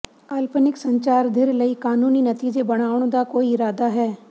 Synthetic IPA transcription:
alpənɪksə̃ɲt͡ʃaːɾd̪ʱɪɾləikaːnuːninɐt̪iːd͡ʒebɐɽ̃aːʋʊɽ̃d̪akoːiɪɾaːd̪aɦɛː

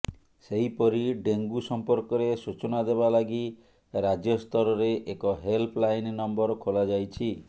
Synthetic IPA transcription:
seɦipɔɾiɖeŋɡusɔmpɔɾkɔɾesut͡ʃɔnad̪ebalaɡi | ɾad͡ʒjɔst̪ɔɾɔɾeʔekɔɦelpʰlajnnɔmbɔɾkʰolad͡ʒajt͡ʃʰi

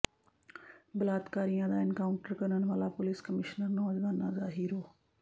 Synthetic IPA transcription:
bəlaːd̪kaːɾijãːd̪aːɪnkaːʊɳʈəɾkənənʋaːlaːpʊliːskəmɪʃnəɾnɔːd͡ʒʋaːnãːzaːɦiːɾoː

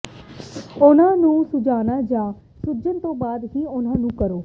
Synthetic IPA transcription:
ʊnãːnũːsʊd͡ʒaːnaːd͡ʒãː | sʊd͡ʒənt̪õːbaːd̪ɦiːʊnãːnũːkəɾoː

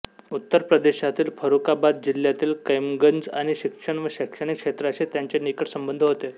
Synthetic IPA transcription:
ut̪ːəɾpɾəd̪eɕat̪iːlfʰəɾukabad̪̚d͡ʑil̤jat̪iːlkəjmɡənd͡za̰ɽ̃iɕikʂəɳʋəɕekʂəɽ̃ikʂet̪ɾat͡ɕet̪jaɲt͡ɕenikəʈsəmbənd̪ʱəɦot̪e

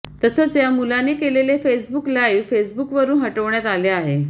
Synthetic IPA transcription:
t̪əsəːt͡sjamulanekelelefesbuklaiʋfesbukʋəɾuːnɦəʈəʋɳjat̪aleaɦe

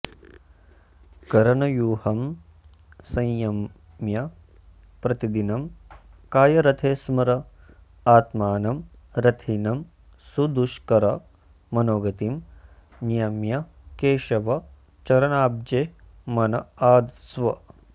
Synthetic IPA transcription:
kɐɾɐnɐjuːhɐm | sɐ̃jjɐm | jɐ | pɾɐt̪id̪inɐmkaːjɐɾɐt̪ʰeːsmɐɾɐ | aːt̪maːnɐmɾɐt̪ʰinɐm | sud̪uʃkɐɾɐ | mɐnoːɡɐt̪im | nijɐmjɐ | keːʃɐʋɐ | t͡ʃɐɾɐnaːb̚d͡ʒeː | mɐnɐaːd̪sʋɐ

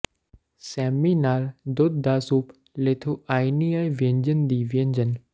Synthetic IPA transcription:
sɛːminaːld̪ʊd̪̚d̪aːsuːp | leːt̪ʰuaːiniajʋə̃ɲd͡ʒənd̪iːʋiə̃ɲd͡ʒən

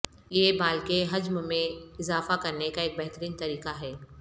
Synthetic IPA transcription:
jeːbaːlkeɦɐd͡ʒmmẽɪzaːfakɐɾnekaeːk̚bɛɦt̪əɾiːnt̪ɐɾiːqaɦɛː

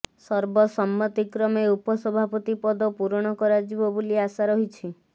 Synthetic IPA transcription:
sɔɾbɔsɔmːɔt̪ikɾɔmeupɔsɔbʱapɔt̪ipɔd̪ɔpuɾɽ̃ɔkɔɾad͡ʒibɔbuliasaɾɔɦit͡ʃʰi

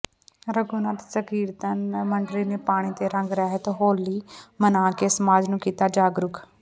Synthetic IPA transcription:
ɾəɡuːnaːt̪səkiːɾt̪ənməɳɖɾiːneːpaːɽ̃iːt̪eːɾə̃ŋɡɾɛːɦet̪ːɦoːlːiːmənãːkeːsəmaːd͡ʒnũːkiːt̪aːd͡ʒaːɡɾʊkʰ

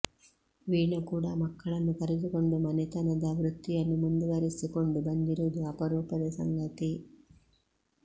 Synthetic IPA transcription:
ʋiːɳɐkuːɽamɐkːɐɭɐnːukɐɾɛd̪uko̞ɳɖumɐnɛt̪ɐnɐd̪ɐʋɾut̪ːijɐnːumund̪uʋɐɾisiko̞ɳɖubɐnd̪iɾud̪uɐpɐɾuːpɐd̪ɐsɐ̰ŋɡɐt̪i

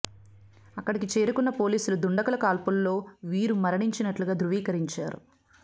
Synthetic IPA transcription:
ɐkːɐɽikit͡ʃe̞ːɾukunːɐpo̞ːliːsulud̪uɳɖɐkɐlɐkaːlpulːo̞ːʋiːɾumɐɾɐɳiɲt͡ʃinɐʈluɡaːd̪ɾuʋiːkɐɾiɲt͡ʃaːɾṵ

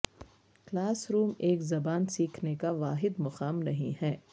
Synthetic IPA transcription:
klaːsɾuːmeːkzɐbaːnsiːkʰnekaʋaːɦɪd̪mɐqaːmnɐɦḭ̃ɦɛː

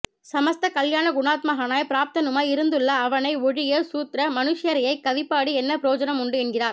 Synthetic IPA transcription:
sɐmɐst̪ɐkɐljaːnɐɡʊnaːt̪̚mɐɣɐnaːjpɪɾaːp̚t̪ɐnɯmaːɪɾɯnd̪ɯɭːɐːʋɐnɐɪɔɻɪjeːsuːt̪ɾɐmɐnɯʂɪjɐɾɐjɐɪkːɐʋɪpːaːɽiɛnːɐpɪɾoːd͡ʒɐnɐmʊɳɖɯɛɳɡɪɾaːɾ

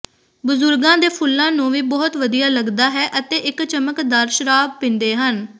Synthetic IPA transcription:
bʊzʊɾɡãːd̪eːpʰʊlːãːnũːʋiːbɔːt̪ʋəd̪ijaːləɡd̪aːɦɛːʔət̪eːʔɪkt͡ʃəməkd̪əɾʃɾaːpɪ̃nd̪eːɦən

